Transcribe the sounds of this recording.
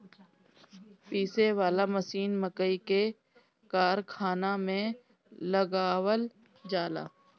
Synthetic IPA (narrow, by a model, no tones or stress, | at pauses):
piːseʋaːlaməsiːnməkəike | kaːɾkʰaːnamẽ | ləɡaːwəl | d͡ʒaːla̰ː